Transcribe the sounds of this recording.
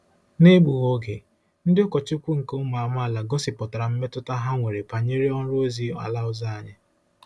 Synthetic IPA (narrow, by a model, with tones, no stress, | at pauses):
ne˦bu˨ɣo˦ɡe˨ | n̩˦dɪ˦ʊ˦kɔ˨t͡ʃɪ˦kʷu˦ŋ̩˨ko˦m˨a˨m˦a˦a˦˨la˨ɡɔ˦sɪ˨pɔ˨ta˨ɾa˨m̩˦me˦tʊ˦ta˦ɦa˦ŋʷe˨ɾe˨pa˨ɲe˦ɾi˦ɔ˦n˦ɾʊ˦o˦zi˦a̰˨la˦ʊ˨za˦a˨ɲɪ˦